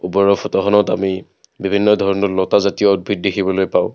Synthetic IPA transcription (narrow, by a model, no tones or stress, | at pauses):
ubɔɹɔpʰɔtɔxɔnɔtami | bibʱinːɔdʱɔɹɔnɔtlɔtazatijɔɔd̚bit̚dexʰibɔlojpaʊ̃